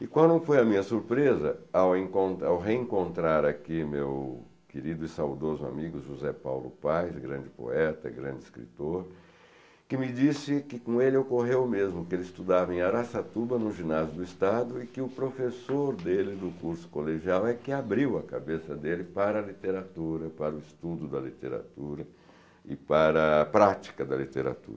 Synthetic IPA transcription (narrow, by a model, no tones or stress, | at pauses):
ɪkwɐ̃nɐ̃w̃fojɐmĩɲɐsuɾpɾezɐ̰awẽkõnt̪awɦeẽkõnt̪ɾaɾakimḛw | keɾid̪ʊɪsawd̪ozʊa̰miɡʊʒuzɛpa̰wlʊ̰pajsɡɾɐ̰̃d͡ʒɪpo̰ɛt̪ɐ̰ɡɾɐ̰̃nd͡ʒɪskɾḭt̪oɾ | kɪmɪd͡ʒisɪkɪkõelɪokoɦewmezmʊkɪelɪist̪ud̪avɐẽaɾasat̪ubɐnʊ̃ʒinazjʊd̪ʊist̪ad̪ʊɪkɪʊpɾofesoɾd̪elɪd̪ʊkuɾsʊ̥koleʒiawɛkɪabɾiwɐkabesɐd̪elɪpaɾɐlit̪eɾat̪uɾɐpaɾʊɪst̪ud̪ʊd̪ɐlit̪ḛɾa̰t̪uɾɐ | ɪpaɾɐːpɾat͡ʃi̥kɐd̪ɐlit̪eɾa̰t̪ṵɾɐ